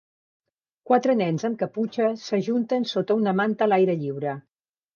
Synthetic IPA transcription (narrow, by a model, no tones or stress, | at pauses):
kwat̪ɾənɛnzəmkəput͡ʃəsəʒunt̪ənsot̪əunəmant̪əlajɾəʎiwɾə